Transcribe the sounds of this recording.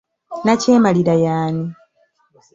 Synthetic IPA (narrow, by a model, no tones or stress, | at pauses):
naceːmaliɾajaːni